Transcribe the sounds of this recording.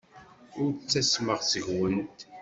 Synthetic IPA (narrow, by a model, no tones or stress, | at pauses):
ʊɾt͡sːæsməʁsəʝwənt̪